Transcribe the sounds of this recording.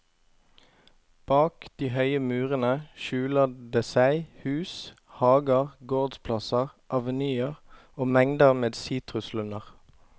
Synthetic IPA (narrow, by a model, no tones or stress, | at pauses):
b̥ɑːkd̪̥iːhœʏəmʉːʁənəʃʉːləd̪eːsæɪhʉːs | hɑːɡəʁɡoːʁd̪spʰlɑsəʁʔɑʋənyːəʁ | oːmɛŋd̪əʁmeːd̪siːt̪ʁʉslʉnəʁ